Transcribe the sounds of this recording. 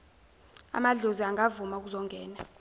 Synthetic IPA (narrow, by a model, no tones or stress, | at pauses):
a̰maɮoziaŋɡʱavumauk̬uzɔŋɡɛːna